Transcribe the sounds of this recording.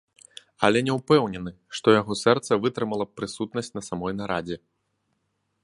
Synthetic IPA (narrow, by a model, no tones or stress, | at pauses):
ɐlʲɛnʲɛwpɛwnʲɛnɨ | ʂt̪ɔjaɣɔsɛrt̪sɐvɨt̪ɾɨmɐlˠɐpɾɨsut̪nɐsʲtt͡sʲnɐsamɔjnaɾad͡zʲɛ